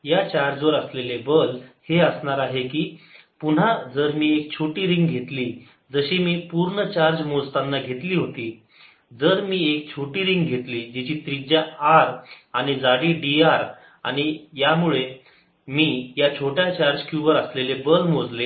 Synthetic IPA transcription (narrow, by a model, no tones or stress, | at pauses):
jat͡ɕaɾd͡zʋəɾəslelebəlheəsɳaɾaɦekiːpun̤ad͡zəɾmiːek̚t͡ɕʰoʈiːɾiŋɡɡʱet̪liː | d͡zəɕiːmiːpuɾɳət͡ɕaɾd͡ʑmod͡zt̪anːaɡʱet̪liːɦot̪iː | d͡zəɾmiːekt͡ɕʰoʈiːɾiŋɡɡʱet̪liːd͡ʑit͡ɕiːt̪ɾid͡ʑaaɾañid͡zaɽiɖiaɾ | a̰ɽ̃ijamuɭe | miːjat͡ɕʰoʈjat͡ɕaɾd͡ʑkjuʋəɾəslelebəlmod͡zle